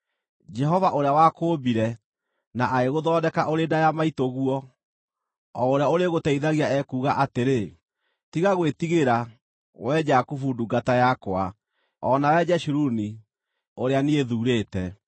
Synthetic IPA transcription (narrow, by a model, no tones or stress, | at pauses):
d͡ʒɛɦɔvaʔoɾeawakoːbiɾɛ | naʔaeɣoðɔːdɛkaʔoɾedajamaitoɣuɔ | ɔoɾeaoɾeɣotɛiðaɣiaɛkuːɣaʔateɾe | tiɣaɣwetiɣeɾa | wɛd͡ʒakufuduɡatajakoa̰ | ɔnawɛd͡ʒɛʃuɾuni | oɾeanieðuːɾeːtɛ